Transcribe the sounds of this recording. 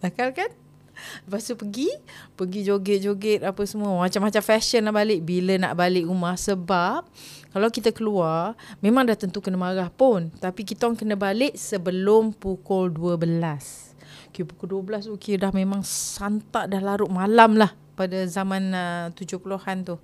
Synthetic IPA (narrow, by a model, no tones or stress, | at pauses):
t̪akalkan | ləpast̪upəɡipəɡid͡ʒoɡɪt̪̚d͡ʒoɡɪt̪̚apəsəmuəmat͡ʃamːat͡ʃamfɛʃənlahbalɪʔbiləna̰ʔbalɪʔɾumahsəbap̚kalawkit̪akəluarmẽmaŋdaht̪ənt̪ukənəmaɾahpʊnt̪apikit̪aaŋkənəbalɪʔsəbəlʊmpukʊlduəbəlas | kijupukʊlduəbəlasukiədahmemãŋsant̪aʔdahlaɾʊʔmalamlah | padazamãnət̪ud͡ʒʊhpuluhant̪ʊh